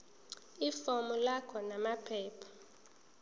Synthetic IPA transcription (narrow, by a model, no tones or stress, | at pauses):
ifɔmulakʰɔnamapʰɛːpʰḁ